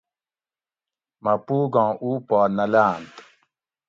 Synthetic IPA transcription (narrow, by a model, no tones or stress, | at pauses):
mɐpuːɡãːʔuːpɔːnɐlaːnt̪